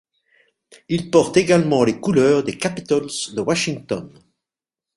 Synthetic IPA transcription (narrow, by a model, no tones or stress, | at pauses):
ilpɔʁt̪eɡalmɑ̃lekulœːʁd̪ekapi̥t̪ɔlzd̪əwaʃiŋt̪ɔn